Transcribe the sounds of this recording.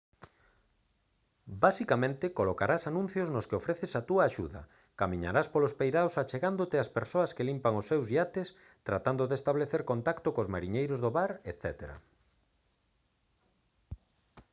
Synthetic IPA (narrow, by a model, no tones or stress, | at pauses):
basikamẽnt̪ɪkolokaɾasanũn̟θjoznoskeofɾɛθesat̪uaːʃṵðɐ̰ | kamĩɲa̰ɾaspolospejɾawsat͡ʃeɣand̪ot̪ɪaspeɾsoɐskelimpaŋosːewzʎat̪es | t̪ɾat̪and̪oðest̪aβleθeɾkont̪akt̪okozmaɾiɲejɾozðoβaɾet̪θɛt̪eɾa̰